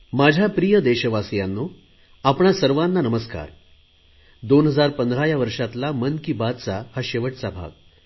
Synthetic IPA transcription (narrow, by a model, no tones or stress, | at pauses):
mad͡ʑʱjapɾijəd̪eɕəʋasjanːu | apɳasəɾʋanːanəməska̰ɾ | d̪onɦəd͡zaɾpənd̪ɾajaʋəɾʂat̪lamənkibad̪t͡sahaɕeʋəʈt͡sabʱa̰ɡ̚